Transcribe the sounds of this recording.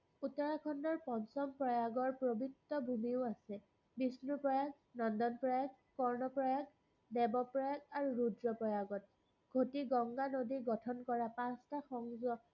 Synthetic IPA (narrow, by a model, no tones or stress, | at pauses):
utɔɹakʰɔndɔɹpɔnsɔmpɹɔjaɡɔɹpɹobitːɔbʱumiʊasɛ | bisnupɹɔjaɡ | nɔndɔnpɹɔjaɡ | kɔɹnɔpɹɔjaɡ | dɛbɔpɹɔjaɡaɹuɹudɹɔpɹɔjaɡɔt̚ | ɡʱotiɡɔŋɡanodiɡɔtʰɔnkɔɹapãstaxɔŋzɔ